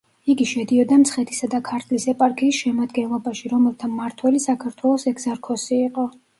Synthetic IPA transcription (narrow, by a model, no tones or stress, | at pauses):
iɡiʃɛd̪iɔd̪amt̪sʰχɛt̪ʰi̥sad̪akʰaɾt̪ʰlisɛpʼaɾkʼʰiːsʃɛmad̪ɡɛnlˠɔbaʃiɾɔmɛlˠt̪ʰamaɾt̪ʰwɛlisakʰaɾt̪ʰwɛlˠɔsɛɡzɛɾkʰɔsiːqʼɔ